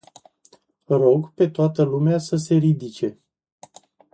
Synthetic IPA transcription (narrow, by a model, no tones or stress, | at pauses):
ro̞ɡpe̞t̪oat̪əlumeasəse̞ɾid̪it͡ʃe̞